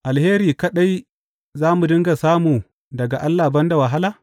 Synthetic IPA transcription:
ʔa˨lheː˦ɾiː˨kɐ˦ɗa˦j | zaː˦mu˨dɪ˦ŋɡa˨saː˦muː˨ | dɐ˨ɡa˨ʔa˦lːaː˨bɐ˦nda˨wa˨ɦa˦laː˨

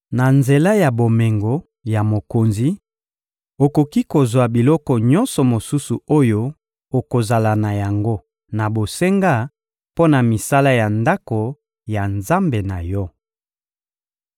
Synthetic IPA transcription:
na˨nze˨la˦ja˨bo˨me˨ŋɡo˨ | ja˨mo˨ko˨nzi˨ | o˨ko˨ki˦ko˨zwa˨bi˨lɔ˦kɔ˨ɲɔ˦nsɔ˨mo˨su˦su˨o˦jo˦ | o˨ko˨za˨la˨na˨ja˨ŋɡo˦ | na˨bo˨se˦ŋɡa˦˨ | po˦na˨mi˨sa˦la˦ja˨nda˦ko˨ | ja˨nza˦mbe˨na˨jɔ˦

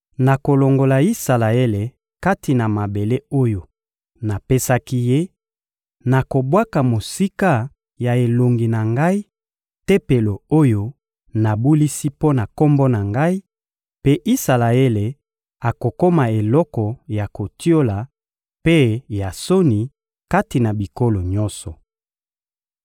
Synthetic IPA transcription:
na˨ko˨lo˨ŋɡo˨la˨i˦sa˨la˨e˦le˨ | ka˦ti˨na˨ma˨be˨le˦o˦jo˨ | na˨pe˦sa˦ki˦je˦ | na˨ko˨bwa˦ka˨mo˨si˦ka˦ | ja˨e˨lo˨ŋɡi˨na˨ŋɡa˦i˦ | te˦pe˨lo˨o˦jo˦ | na˨bu˦li˦si˦po˦na˨ko˦mbɔ˦na˨ŋɡa˦i˦ | pe˦ʔi˦sa˨la˨e˦le˨ | a˨ko˨ko˦ma˨e˨lɔ˦kɔ˨ja˨ko˨ti˦o˦la˨ | pe˦ja˨so˦ni˨ | ka˦ti˨na˨bi˨ko˦lo˨ɲɔ̃˦nsɔ˨

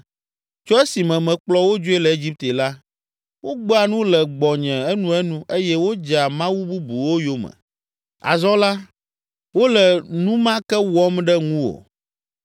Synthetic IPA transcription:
t͡ʃɔ˦e˦si˨mɛ̃˨mɛ̃˨k͡plɔ˦wo˦d͡ʒo˦e˦lɛ˨e˦d͡ʑi˦p̚t̪e˨la˦ | wo˦ɡ͡bɔ˦a˨nũ˦lɛ˨ɡ͡bɔ˨ɲɛ̃˨ɛ˦nũ˦ɛ˦nũ˦e˦jɛ˦wo˦d͡ʒa˨mã˦wu˦bu˦bu˨wo˦jo˦mɛ̰̃˨ | a̰˨zɔ˦la˦ | wo˦lɛ˨nũ˦mã˦kɛ˦wɔ˦mɖɛ˦ŋũ˦wo̰˨

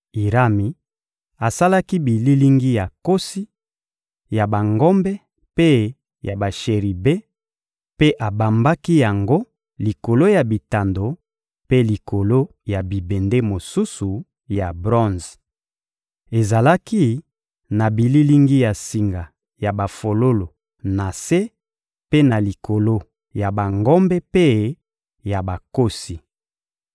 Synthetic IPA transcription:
i˨ʁa˦mi˨ | a˨sa˦la˦ki˦bi˨li˦li˦ŋɡi˦ja˨ko˦si˦ | ja˨ba˨ŋɡɔ˦mbɛ˦ | pe˦ | ja˨ba˨ʃe˨ʁi˨be˦ | pe˦ʔa˨ba˨mba˦ki˦ja˨ŋɡo˦ | li˨ko˨lo˦ja˨bi˨ta˨ndo˨ | pe˦li˨ko˨lo˦ | ja˨bi˨be˨nde˦mo˨su˦su˨ | ja˨bʁɔ̃˦nz | e˨za˨la˦ki˦ | na˨bi˨li˦li˦ŋɡi˦ja˨si˨ŋɡa˨ | ja˨ba˨fo˨lo˦lo˨ | na˨se˦ | pe˦na˨li˨ko˨lo˦ | ja˨ba˨ŋɡo˦mbe˦pe˦ | ja˨ba˨ko˦si˨

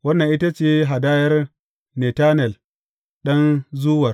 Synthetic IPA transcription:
wɐ˦nːɐ˨ŋʔi˦ta˦t͡ʃeː˦ɦa˨daː˦jɐ˦r | ne˨taː˦nɛ˨l | ɗɐ˦nzu˦wɐ˨r

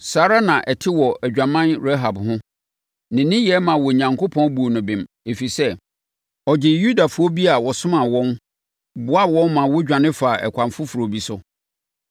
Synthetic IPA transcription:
saː˨˦ɾa˦nã˨ʔɛ˨tʰɪ˦wɔ˨ʔæ˨d͡ʑᶣa˨mã˦nɾɛ˦ɦa˨bhʊ̃˦ | nɪ̃˨nɪ̃˦jɛ˦mã˨wɔ˨ɲã˨ŋko˦pʰɔ̃˦n˦bu˨o˨nʊ̃˨bɪ̃˨m | e˨fi˨sɛ˦ | ɔ˨d͡ʑɪ˨ju˦da˨fʊ˦ɔ˦bi˦a˨wɔ˨sʊ̃˦mã˨wɔ̃˦n | bʊ˦a˦wɔ̃˦nmã˨wʊ˦d͡ʑᶣã˨nɪ̃˦fa˨ʔɛ̰˨kʷʰã˨mfʊ˦fu˨ɾo˨bi˨sʊ˦

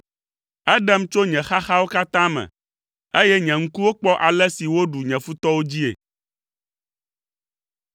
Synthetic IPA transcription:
ɛ˦ɖɛ˦mt͡ʃo˦ɲɛ̃˨xa˦xa˦wo˦ka˦t̪ã˦mɛ̰̃˨ | e˦jɛ˦ɲɛ̃˨ŋ̩˦ku˦wo˦k͡pɔ˦ʔa˨lɛ˦si˨wo˦ɖu˨ɲɛ̃˨fu˦t̪ɔ˦wo˦d͡ʑi˦ḛ˨

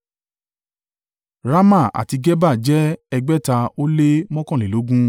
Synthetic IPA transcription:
ɾa˦ma˦˨a̰˨ti˧ɡɛ˦ba˦˨d͡ʒɛ˦ɛ˧ɡ͡bɛ˦ta˧o˦le˦mɔ̃˦kɔ̃˦˨le˨lo˨˦ɡũ˦

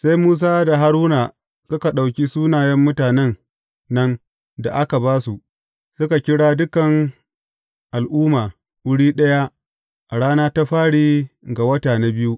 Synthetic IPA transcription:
sa˦jmuː˦s̬aː˦da˨ɦa˦ɾuː˦na˨ | sʊ˦ka˨ɗa˨wkʲi˦suː˦naː˨jɛ˦mːʊ˦taː˨nɛ˦nː | ɐ˦n | da̰˨ʔa˦ka˨baː˦su˨ʔ | sʊ˦ka˨kʲɪ˦ɽaː˦dʊ˦kɐ˨ŋ | ʔa˨lʔuː˦maː˨ | wʊ˦ɽiː˦ɗɐ˦ja˦ | ʔa˨ɽaː˦naː˦ta˦ɸaː˦ɽiː˦ɡa˨wɐ˦taː˨na˦bɪ˦ju˦ʔ

